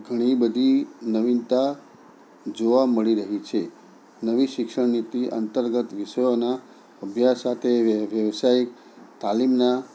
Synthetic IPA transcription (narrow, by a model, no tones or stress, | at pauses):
ɡʱəɽ̃ibəd̪ʱinəʋint̪a | d͡ʒoʋaməɭiɾəɦit͡ʃʰe | nəʋiʃɪkʃəɳnit̪iʔə̰nt̪əɾɡət̪ʋiʃəjona | əbʱjasat̪ʰeʋjəʋsaik̚ | t̪alimna